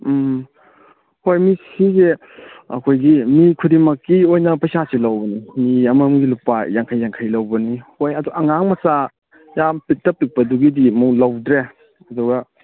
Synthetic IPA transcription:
hojmisize | ɐ̰kʰojɡimikʰudimɐkːiojnɐpɐjsasilawbɐnimiɐmɐmɡilupajaŋkʰajːaŋkʰajlawbɐnihojɐduɐŋaŋmɐsa | jampitːɐpːik̚pɐduɡidimulawdɾe | ɐdɔɡɐ

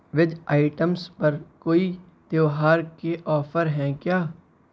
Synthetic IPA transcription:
ʋɪd͡ʒaːɪʈəmspəɾkoːi | d̪̥jeːʋɦaːɾkeʔɔːpʰəɾɦɛ̃ːkjaː

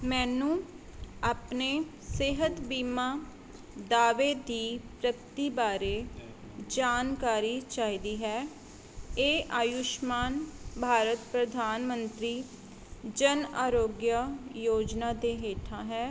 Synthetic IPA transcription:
mɛ̃ːnũː | aːpneː | seɦət̪biːmãː | d̪aːʋeːd̪iːpɾəkt̪iːbaːɾeː | d͡ʒaːnkaːɾiːt͡ʃaːiːd̪iːɦɛː | eːʔaːjʊʃmaːnbʱaːɾət̪pɾəd̪ʱaːnmənt̪ɾiː | d͡ʒənaːɾoːɡjəjoːd͡ʒnaːd̪eːɦeːʈʰãːɦɛː

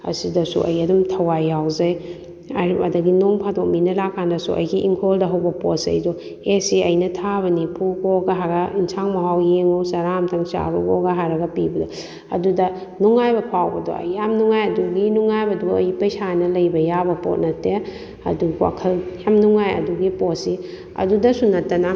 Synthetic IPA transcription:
ɐ̰sidɐsṵʔɐ̰jɐdumtʰɐwajːawzɐj | ɐɾɐ̰dɐɡinoŋpʰadok̚minɐlakʰːandɐsuʔɐ̰jɡiʔiŋkʰoldɐɦɐwbɐposɐ̰jdɔ | esiɐjnɐtʰaβɐnipʰuɡoɡɐɦaɡɐinsaŋmɐɦawjeŋowsɐɾamtʰɐŋsa̰ɾuɡɔɡɐɦaɾɐɡɐpibɐdɔ | ɐ̰dudɐ | nuŋajbɐpʰawbɐdo̰ɐ̰jamnuŋajɐduɡinuŋajbɐduɐ̰jpɐjsanɐlɐjbɐjabɐpo̰t̚nɐtːe | ɐ̰duwa̰kʰɐljamnuŋajɐ̰duɡiposi | ɐ̰dudɐsunɐtːɐnɐ

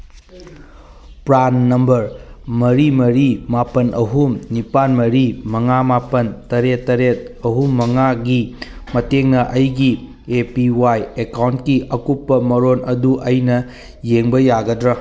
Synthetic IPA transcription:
pɾanːɐmbɐɾmɐɾimɐɾimapɐnʔɐɦumnipanmɐɾimɐŋamapɐntɐɾetːɐɾet̚ɐɦumːɐŋaɡimɐteŋnɐʔɐjɡi | epiwajekawntkiʔɐkupːɐmɐɾonʔɐduʔɐjnɐ | jeŋbɐjaɡɐdɾɐ

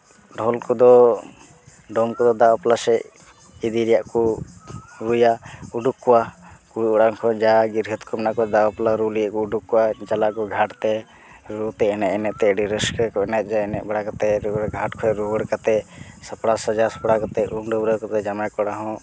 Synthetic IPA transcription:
ɖʱɔlkɔd̪ɔ | ɖɔmkɔd̪ɔd̪awaplasɛ | id̪iɾijaʔku | ɾujauɖukːɔwakuɽiɔɽaŋkʰɔd͡ʒaɡiɾɡʱət̪kʰɔmɛnaʔkɔd̪awaplaɾulijaʔkɔuɖukːɔwad͡ʒalaʔkɔɡʱaʈt̪ɛ | ɾut̪ɛɛnɛʔɛnɛʔt̪ɛəɖiɾəskəkɔɛnɛt̪̚ˀd͡ʒaɛnɛʔbaɽakat̪ɛɾuɡʱaʈkʰɔɛɾubəɽkat̪ɛsapɽasad͡ʒasɔ̥pɽakat̪ɛuɳɖəbuɽəkat̪ɛd͡ʒamakɔɽaɦɔ̃

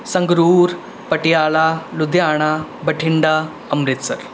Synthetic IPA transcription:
səŋɡɾuːɾ | pəʈijalalud̪ʱjaɽ̃abəʈʰiɳɖa | əmɾit̪sə̰ɾ

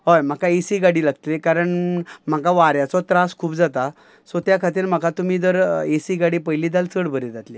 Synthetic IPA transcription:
ɦojm̤akaesiɡaɽiːlaɡt̪lekaɾəɳm̤akaʋaɾjat͡sɔt̪ɾaskʰuːpd͡zat̪a | sɔt̪jakʰat̪̬iːɾm̤akat̪um̤iːd̪əɾesiːɡaɽiːpəjliːd̪alt͡səɽbʱəɾed͡zat̪le

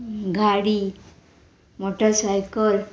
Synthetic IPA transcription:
ɡʱaɽi | moʈəɾsajkəl

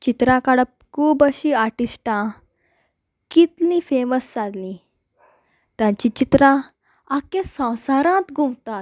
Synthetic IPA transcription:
t͡ɕit̪ɾãkaɽəp̚kuːbəɕiaʈisʈã | kit̪lĩfeməst͡sad̪lĩ | t̪jãt͡ɕit͡ɕit̪ɾã | akẽsə̃wsaɾãt̪ɡumt̪at̪

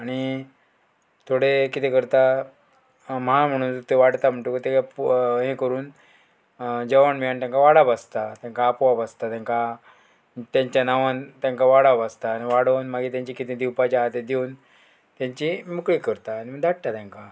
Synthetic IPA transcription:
aɽ̃i | t̪ʰoɽekit̪ẽkəɾt̪a | mam̤əɽ̃uːnt̪eʋaɽt̪am̤əɳʈukət̪ekapɦẽkəɾuːn | d͡ʑəʋaɳmiant̪jãŋkaʋaɽabast̪at̪jãŋkaːpʋabast̪at̪ãŋka | t̪jãɲt͡ɕjanaʋãnt̪jãŋkaʋaɽabast̪aniʋaɽənmaɡit̪jãɲt͡ɕikit̪ẽd̪iwpat͡ɕaat̪ed̪ewn | t̪jãɲt͡ɕimukɭikəɾt̪aːñiməd̪aʈ̚t̪at̪ãŋka

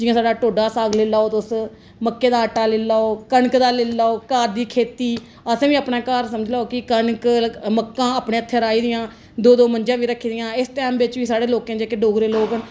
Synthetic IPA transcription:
d͡ʒɪjãːsaːɖaːʈoːɖaːsaːɡleːlaːoːt̪ʊs | məkːeːd̪aːəʈːaːleːlaːoːkəɳkd̪aːlelaːoːkaːɾd̪iːkʰeːt̪iː | əsẽːʋiːəpɳãːkaːɾsəməd͡ʒlaːoːkɪkəɳkməkːãːaːpɳeːət̪ʰːeːɾaːiːd̪ɪjãː | d̪oːd̪oːmənd͡ʒãːʋiːɾəkʰːiːd̪ɪjãːɪsʈɛːmbɪt͡ʃʋiːsaːɽeːloːkẽːd͡ʒeːkeɖoːɡɾeːloːkəɳ

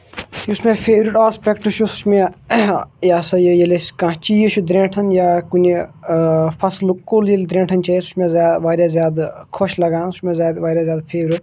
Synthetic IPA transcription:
jusmẽpʰeːʋɾiʈaːspʲekʈuʃʰusu̥t͡ʃʰmẽ | jaːsɐjəjelʲeskãːt͡ʃiːjiʃʰud̪ɾẽːʈʰɐnjaːkunʲi | fʰɐslukoːljelʲd̪ɾẽːɳʈʰɐnt͡ʃʰasu̥ʃmẽzjaːd̪ʋaːɾʲjaːzʲjaːd̪kʰoʃlɐɡãːnusmẽzjaːd̪ʋaːɾjaːzʲjaːd̪pʰeːʋɾiʈ

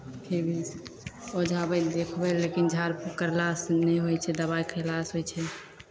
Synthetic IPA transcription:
pʰiɾbʱi | od͡ʒʱabəd̪ekʰbɛlekind͡ʒʱaɾpʰukəɾlasnɛjɦojt͡ʃʰɛd̪əβajkʰəlasɦojt͡ʃʰɛ

